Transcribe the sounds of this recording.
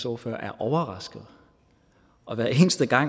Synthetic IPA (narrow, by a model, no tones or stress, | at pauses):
sɔːɐføɐ̰ʔæɐʔɒʊɐʁɑ̈sɡ̥əð̩ˠ | ʔɒ̽ʋæːɐe̝ːnsd̥əɡ̥ɑ̈ŋ̰